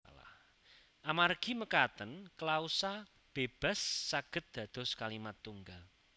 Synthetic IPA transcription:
la̰h | ʔamarɡ̥i̤məkat̪ənkəlausa | b̥eb̥a̤sːaɡ̥ə̤t̪̚d̪̥a̤d̪̥ɔ̤skalimat̪ːuŋɡal

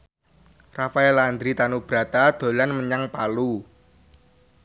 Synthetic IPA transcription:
rafaɛland̪ɾit̪anub̥ɾa̤t̪ad̪̥o̤lanməɲaŋpalu

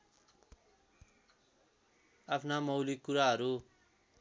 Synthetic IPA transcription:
apʰnamʌwlikːuɾaɦʌɾu

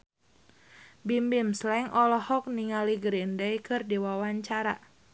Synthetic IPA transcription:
bimbimslɛŋʔɔlɔhɔk̚niŋaliɡɾindaikɨrdiwawaɲt͡ʃaɾa̰

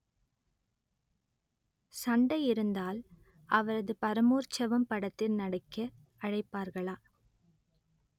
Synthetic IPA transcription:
sɐɳɖɐjɪɾɯnd̪aːl | ɐʋɐɾɐðɯpɐɾɐmoːɾt͡ʃɐʋɐmpɐɽɐt̪ːɪlnɐɽɐkːɐ | ɐɻɐɪpːaːɾɣɐɭaː

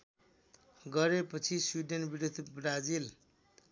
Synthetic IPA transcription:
ɡʌɾepʌt͡sʰiswiɖenbiɾud̪ʱbrad͡zil

